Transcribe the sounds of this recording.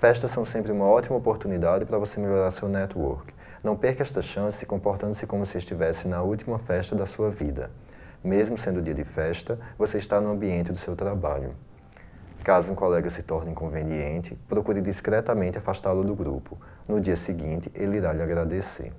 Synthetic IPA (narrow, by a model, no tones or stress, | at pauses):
fɛʃt̪ɐsːɐ̃w̃sẽmpɾɪũmɐɔt̪imɐopoɾt̪unid̪ad͡ʒɪpɾɐvosemeʎoɾaɾsewnɛt̪wɔ̰ɾk | nɐ̃w̃peɾkɛʃt̪ɐʃɐ̃sɪzɪkõmpoɾt̪ɐ̃nd̪ʊsɪkõmʊsɪɪʃt̪ivɛsɪnɐuwt̪imɐfɛʃt̪ɐd̪ɐsuɐvid̪ɐ̰ | mezmʊsẽnd̪ʊd̪iɐd̪ɪfɛʃt̪ɐvoseɪʃt̪anʊɐ̃mbiẽnt̪ɪd̪ʊsewt̪ɾaba̰ʎʊ̰ | kazʊũkɔlɛɡɐsɪt̪ɔɾnɐĩkõveniẽnt̪ɪpɾokuɾɪd̪iskɾɛt̪ɐmẽt̪ɪafaʃt̪alʊd̪ʊɡɾṵpʊ | nʊd͡ʒiɐsɪɡĩnt̪ɪʔeliɾaʎɪaɡɾad̪esḛ